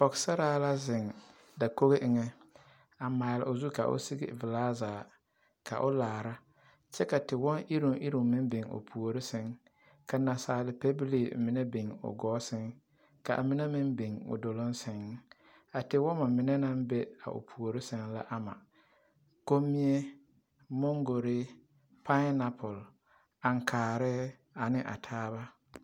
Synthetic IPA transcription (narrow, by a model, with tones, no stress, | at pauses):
pɔ˨ksa˦ɾaː˦la˦zɪ˨ŋ | da˨ko˦ɣe˦ʔɪ˨ŋɛ˦ | a˨maː˨lɪ˨ʔʊ˨zu˦ka̰˨ʔʊ̰˦si˦ɡɪ̰˨vɪ˨laː˦zaː˨ | kʰa̰˨ʔʊ˦laː˨ɾa˦ | t͡ʃɛ˦ka˨tɪ˨wɔ˦nʔɪ˦ɾʊ˨ŋʔɪ˦ɾu˨mɪ˦n˦be˨ŋo̰˨pʰu˨o˨ɾɪ˦sɪ˨ŋ | ka˨na˨saː˨lɪ˨pe˦bɪ˦li˨mɪ˨˦nɛ˦be˨ŋʊ̰˨ɡɔː˦sɪ˦ŋ | ka˨ʔa̰˨mɪ˦na˦mɪ˦mbe˨ŋʊ̰˨do˨lo˦n˦sɪ˨ŋ˦ | a˨tɪ˨wɔ˦ma˨mɪ˨nɛ˦na˦mbɛ˦a̰˨ʔʊ̰˨pʰu˨o˨ɾɪ˦sɪ˨ŋla˦ʔa˨ma̰˨ | ko˦mːi˦e˦ | mɔ˦ŋɡo˨ɾɪ˦ | pʰa˦na˨pʰʊ˨l | a˨ŋ˨kʰaː˨ɾɛ˦ | a˨nɪ˦ʔa̰˨tʰaː˦βa˦